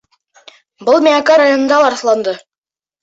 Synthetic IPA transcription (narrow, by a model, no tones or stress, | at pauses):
bɤlˠmʲiakɑɾajonənd̪ɑlˠɑɾslˠɑnd̪ɤ